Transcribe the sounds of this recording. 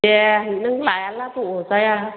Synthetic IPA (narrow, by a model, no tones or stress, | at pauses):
ɛnɨŋlajalat̪uosaja